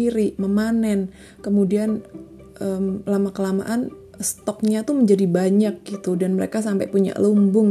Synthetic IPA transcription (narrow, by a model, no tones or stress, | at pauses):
iɾiməmanɛn | kəmudian | ʔəmlamakəlama̰ʔan | st̪ɔk̚ɲat̪uməɲd͡ʒadibaɲak̚ɡ̥it̪udanməɾekas̬ampa̰puɲa̰ʔlumbʊŋ